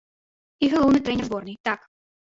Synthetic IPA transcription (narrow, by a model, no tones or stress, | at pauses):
iɣɐlˠɔwnɨjt̪ɾɛnʲɛrzbɔrnɨjt̪ak